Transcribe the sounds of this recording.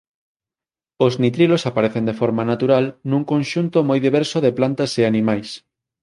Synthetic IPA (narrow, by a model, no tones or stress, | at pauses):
oznit̪ɾilosapaɾeθend̪efɔɾmanat̪uɾalnũŋkõnʃunt̪omɔjðiβ̞ɛɾsoðeplant̪ɐseanĩmajs